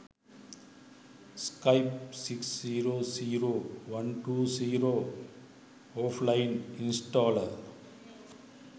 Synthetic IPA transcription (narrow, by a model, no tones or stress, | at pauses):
skɐɪp̚sɪksːiːɾoːsiːɾoːʋɐnʈuːsiːɾoː | oːflɐɪnɪnsʈɔːlɐɾ